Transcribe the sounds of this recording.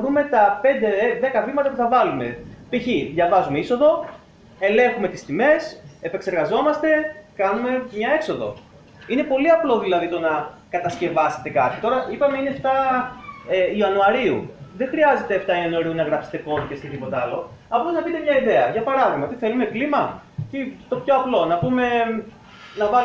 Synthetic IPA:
ɾume̞t̪ɐpe̞nd̪e̞ðe̞kɐvimɐt̪ɐpuθɐvɐlume̞piçiðʝɐvɐzumeiso̞ðo̞ | e̞le̞ŋxume̞t̪ist̪ime̞sepekse̞ɾɣɐzo̞mɐst̪e̞kɐnume̞mɲɐe̞kso̞ðo̞̰ | ine̞po̞liɐplo̞ðilɐðit̪onɐkɐt̪ɐsce̞vɐse̥t̪e̞kɐt̪ʰi̥t̪o̞ɾɐʔipɐme̞ineft̪ɐ | eiɐnuɐɾiṵðe̞xɾiɐze̞t̪eɐft̪ɐiɐnuɐɾiunɐɣɾɐpse̥t̪e̞ko̞ðicest̪et̪ipo̞t̪ɐlo̞̰ | ɐpoznɐpit̪emɲɐiðe̞ɐʝɐpɐɾɐðiɣmɐt̪iθe̞lume̞klimɐcit̪o̞pço̞ɐplo̞nɐpume̞ | nɐvɐ

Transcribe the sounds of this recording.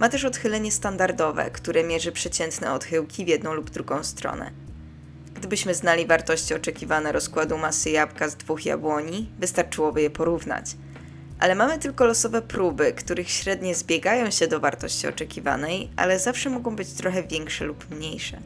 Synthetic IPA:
mat̪ɛʂɔt̪xɘlɛɲɛst̪and̪aɾd̪ɔvɛ̰kt̪uɾɛmʲjɛʐɘpʂɛt͡ɕɛnt̪nɛ̰ɔt̪xɘwkʲivʲjɛd̪nɔ̃w̃lubd̪ɾuɡɔ̃w̃st̪ɾɔ̰nɛ̰ | ɡ̥d̪ɘbɘɕmɘznalʲivaɾt̪ɔɕt͡ɕiɔt͡ʂɛkʲivanɛɾɔskwad̪umasɘjapɡazd̪vuxja̰bwɔɲivɘst̪aɾt͡ʂɘwɔbɘjɛpɔɾuvna̰t͡ɕ | ʔa̰lɛmamɘt̪ɘlkɔlɔsɔvɛpɾubɘkt̪uɾɘxɕɾɛd̪ɲɛzbʲjɛɡajɔ̃w̃ɕɛd̪ɔvaɾt̪ɔɕt͡ɕiɔ̰t͡ʂɛkʲiva̰nɛjʔa̰lɛzafʂɛmɔɡɔ̃w̃bɘt͡ɕt̪ɾɔxɛvʲjɛŋkʂɛlupmɲejʂɛ̰

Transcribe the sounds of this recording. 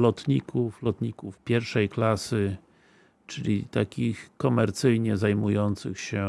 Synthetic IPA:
lɔt̪ɲikʰuflɔt̪ɲikufpʲjɛɾfʂɛjklasɘ | t͡ʂɘlʲḭt̪akʲixkɔmɛɾt̪sɘjɲɛzajmujɔnt̪sɘ̰xɕɛ

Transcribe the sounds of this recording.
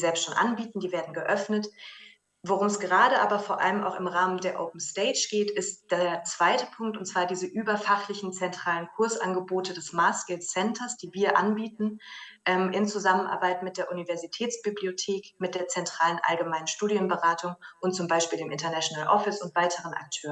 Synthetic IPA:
zɛlpstʃoːnʔa̰nbiːtn̩diːveːɐdn̩ɡəʔœfnət | voʁʊmɛsɡ̥əʁ̞aːɾəʔa̰ːbɐfoːɐʔa̰ləma̰ʊxɪmʁaːməndeːɐʔoːp̚m̩steɪd͡ʒɡ̥eːtɪstd̥eːɐt͡sv̥aɪtəpʰʊŋk̚tʊntt͡sv̥aːɐdiːzəʔyːbɐfaχlɪçn̩t͡sɛntʁ̥aːlənkʰʊɐsʔa̰nɡəboːtədɛsmaːsɡ̥ɪltsɛntʰɐsd̥iːviːɐʔanbiːtn̩ | ʔɛmʔɪnt͡suzamənʔa̰ɐbaɪtmɪt̚d̥eːɐʔunivɛɐzitʰɛːt͡sb̥ibliotʰeːkmɪt̚d̥eːɐt͡sɛntʁ̥aːlənʔa̰lɡəmaɪnənʃtuːdijənbəʁaːtʰʊŋʔʊntt͡sʊmbaɪʃpiːldeːmʔɪntɐnaʃonaːlʔɔfɪsʊntv̥aɪtʰəʁənʔa̰k̚tʰøːʁən

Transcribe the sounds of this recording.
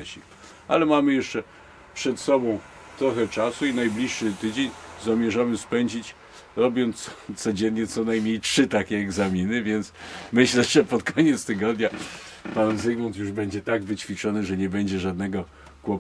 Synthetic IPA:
ɕi | a̰lɛmamɘjɛʂt͡ʂɛ | pʂɛt̪sɔbɔ̃w̃ | t̪ɾɔxɛt͡ʂasuinajblʲiʂːɘt̪ɘd͡ʑeɲzamʲjɛʐamɘspɛɲd͡ʑit͡ɕ | ɾɔbʲjɔnt̪st̪sɔd͡ʑɛnɲɛt̪sɔnajmɲejtʂɘt̪akʲɛːɡzamʲinɘvʲjɛnt̪smɘɕlɛʐɛpɔt̪kɔɲɛt̪st̪ɘɡɔd̪ɲa | panzɘɡmɔnt̪̬juʐbɛɲd͡ʑɛt̪aɡvɘt͡ɕfʲit͡ʂɔnɘʐɛɲɛbɛɲd͡ʑɛʐad̪̚nɛɡɔ | kwɔp

